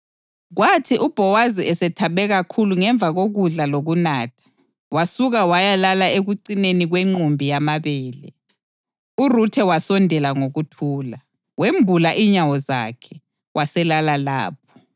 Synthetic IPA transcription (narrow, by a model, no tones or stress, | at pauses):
ɣwatʰiʔub̥ʱɔwaziɛsɛtʰaβɛɣakʰuluŋɛɱb̪vʱaɣoɣuɮaloɣunaːtʰḁ | wasuɣawajalalaeɣuǀineniɣweŋ͡ǃumbʱijamaβɛːlɛ̰ | urutʰɛwasɔndʱɛlaŋoɣutʰuːla | wembʱulaʔiɲawɔza̰kʰɛ | wʔasɛlalala̰ːp̚ʰɔ̥